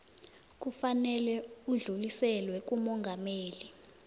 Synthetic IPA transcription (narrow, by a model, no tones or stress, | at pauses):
k̬ufanɛlɛuɮulisɛlwɛk̬umɔŋɡʱameːli